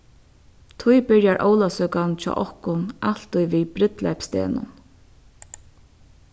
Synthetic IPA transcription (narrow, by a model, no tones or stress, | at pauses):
t̪ʰʊjbɪɹjaɹʔoːwlasœːkant͡ʃʰɔ̰ːʔɔhkʊnal̥t̪ʊjviːbɾɪt̪la̰jpst̪ḛːnʊ̰n